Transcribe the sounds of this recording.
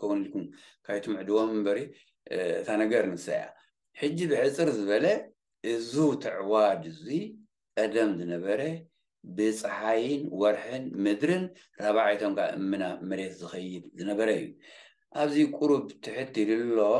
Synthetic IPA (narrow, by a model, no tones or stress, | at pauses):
kʰɐwnilkʰum | kʰajt̪ʰomʕɨd̪ɨwomɨmbɐɾi | ɨ̰t̪ʰanɐɡɐɾnɨsɐ̰ja̰ | ħɨd͡ʒːibɨħɨt͡sʼɨɾzɨβɐlɐ | ʔɨzut̪ʰɨʕwad̪ɨzi | kʼɐd̪ɐmzɨnɐβɐɾɐ | bɨt͡sʼɨħajɪnwɔɾħɨnmɨd̪ɾɨn | ɾaβaʕajt̪ʰomkʰa̰ʔɨ̰mːɨnamɨɾe̞t̪zɨxɐjɪd̪zɨnɐβɐɾɐɨjːu | ʔaβzikʼuɾuβt̪ʰɨħɨt̪ːilɨlːo